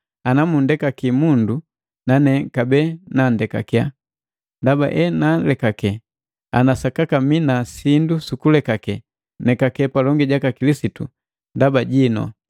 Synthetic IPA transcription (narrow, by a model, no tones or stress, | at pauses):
anamundɛkakimundu | nanɛkabɛnandɛka̰kia | ndaba̰ʔɛnalɛkakɛ | a̰nasakakaminasindusukulɛkakɛ | nɛkakɛpalɔŋɡiɟakakilisitṵ | ndabaɟinɔ̰